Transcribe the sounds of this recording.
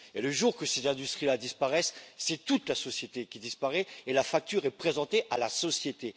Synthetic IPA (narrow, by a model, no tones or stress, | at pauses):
eləʒuʁkəsezɛ̃d̪yst̪χilad̪ispaʁɛsːɛt̪ut̪lasɔsjet̪ekʲid̪ispaʁɛelafak̚t̪yʁɛpχezɑ̃t̪eʔalasɔsjet̪e